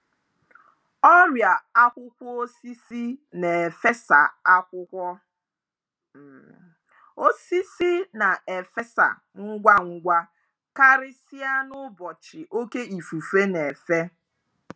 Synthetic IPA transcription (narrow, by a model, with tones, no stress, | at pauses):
ɔ˦ɾja˨a˦kʷʊ˦kʷɔ˦o˦si˦si˦ne˨e˨fe˦sa̰˨a˦kʷʊ˦kʷɔ˦˨ | o˦si˦si˦na˨e˨fe˦sa̰˨ | ŋ̩˦ɡʷa˦ŋ̩˦ɡʷa˦ | ka˦ɾɪ˦sɪ˦a˦nʊ˦bɔ˨t͡ʃɪ˨ʔo˦ke˦i˨fu˨fe˦ne˨e˨fe˦